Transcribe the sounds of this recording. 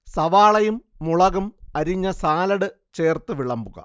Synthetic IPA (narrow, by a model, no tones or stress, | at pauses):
sɐʋaːɭɐjumːuɭɐɣɐmɐɾiɲːɐsaːlɐɽɨt͡ɕe̞ːrt̪ɨʋiɭɐmbuɣɐ̰